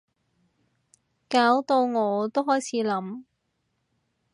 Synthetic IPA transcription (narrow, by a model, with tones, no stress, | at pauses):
kaː˨˥wt̪o˧wŋɔː˨˧t̪o˥whɔː˨˥jt͡sʰiː˨˥lɐ˨˥m